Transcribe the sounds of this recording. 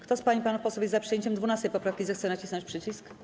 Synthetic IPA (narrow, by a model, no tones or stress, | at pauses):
kt̪ɔspaɲipanufpɔsɔbʲjɛzapʂɨjɛɲt͡ɕɛmd̪vunast̪ɛjpɔpɾafkʲizɛxt̪sɛnat͡ɕisɔt͡ɕʲpʂɘt͡ɕisk